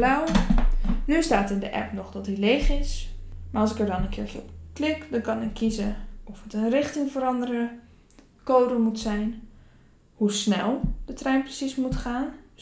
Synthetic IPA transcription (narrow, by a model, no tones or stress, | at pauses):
lawə | nystaːtɪndəʔɛ̰pnɔχdɔtdileːχɪsmaɹɑlˠsɪkəɹdɔnənkʰɪːɹfəklɪkdɔnkɑnɛnkʰizəɔfətənrɪχtɪŋfərɑndərə | koːdəmutsɛjn | husnɛ̰lˠdətrɛjnprəsismutχaːn